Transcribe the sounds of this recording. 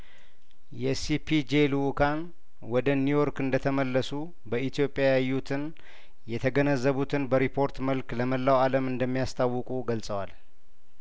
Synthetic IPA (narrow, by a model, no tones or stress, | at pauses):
jɛsipʰid͡ʒelukʰan | wɔd̪ənujo̞ɾkɨnd̪ət̪ʰəməlːəsu | bəʔit̪ʰjo̞pʼːjajajut̪ʰɨn | jɛt̪ʰəɡənəzːəβut̪ʰɨnbəɾipʰo̞ɾt̪məlkləməlːawaləmɨnd̪əmːijast̪ʰawːɨkʼuɡəlsʼəwal